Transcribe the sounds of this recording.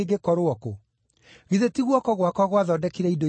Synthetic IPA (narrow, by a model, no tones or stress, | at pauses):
eɡekɔɾoɔko | ɣiðetiɣwɔkɔɣwakɔɣwaðɔdɛkiɾɛido